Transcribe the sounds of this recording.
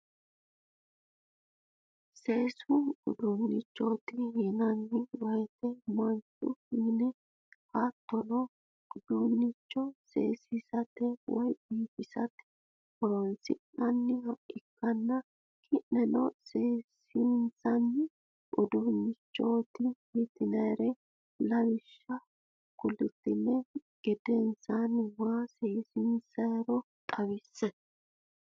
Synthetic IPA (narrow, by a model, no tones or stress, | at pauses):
se̞ːsʊnʊ̰d̪unːɪt͡ʃːoːt̪ɪjɛnɐnːɪwɔjt̪ɛmɐnt͡ʃʼʊhinɛ | hɐt̪ːɔlɔ | ʊd̪unːɪt͡ʃːɔsḛːsɪsɐt̪ɛwʔɔjbiːkɪsɐt̪ɛ̥ | ɔɾɔnsɪ̰nɐnːɪhɐɪkːɐnːɐ | kʰɪnːɛnɔseːs | insɐnː | ʔʊd̪uːnːɪt͡ʃːɔt̪ɪhit̪ɪnɐjɾɛ | lɐβɪʃːɐ | kʊlʊt̪ːɪnːɛɡ̥ɛd̪ɛnsanwaːseːsɪnsɐjɾɔ | t̪ʼɐwɪsːɛ